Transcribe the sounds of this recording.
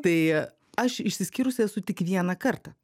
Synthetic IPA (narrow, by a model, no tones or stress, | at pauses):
t̪ɐɪ | ɐʃɪʃsʲɪsʲkʲɪːɾʊsʲɛsʊt̪ʲɪkʋʲiɛnɐkɐrt̪ɐ